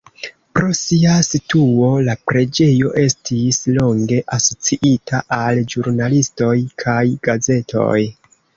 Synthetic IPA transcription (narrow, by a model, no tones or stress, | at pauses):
pɾo̞siasituo̞lapɾe̞d͡ʒe̞jo̞ʔe̞stislo̞ŋɡe̞ʔaso̞t͡siʔitʰaʔald͡ʒuɾnalisto̞jkʰajɡ̥aze̞tʰo̞̰j